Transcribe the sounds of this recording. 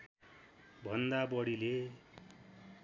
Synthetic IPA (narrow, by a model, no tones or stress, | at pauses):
bʱʌnd̪abʌɽile